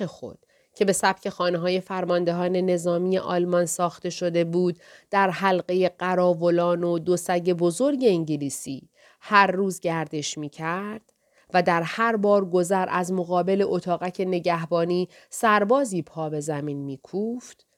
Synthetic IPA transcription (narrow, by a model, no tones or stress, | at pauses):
exo̰d̪̥ | cʰe̞be̞sæb̥̚cʰe̞xɒːneɦɒːje̞fæɾmɒnd̪e̞ɦɒːne̞ne̞zɒːmije̞ʔɒ̰ːlmɒnsɒːxt̪e̞ʃo̞d̪e̞buːd̪̚d̪̥æɾɦælɢe̞je̞ɢæɾɒːvo̞lɒːnod̪o̞sæɟe̞bo̞zo̞ɾɟe̞eɲɟeliːsḭː | hæɾːuːzɟæɾd̪e̞ʃmiːcʰæɾd̪̥ | væd̪æɾhæɾbɒːɾɡo̞zæɾæzmo̞ɣɒːbe̞le̞ʔot̪ʰɒːɣæcʰe̞ne̞ɟæhbɒːniː | sæɾbɒːziːpʰɒːbe̞zæmiːnmiːkʰuːft̪